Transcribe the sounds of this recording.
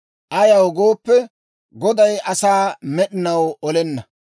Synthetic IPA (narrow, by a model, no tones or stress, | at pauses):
ʔɐjɐwɡoːpːɛ | ɡɔd̪ɐjʔɐsaːmɛɗɪnɐwɔlɛnːɐ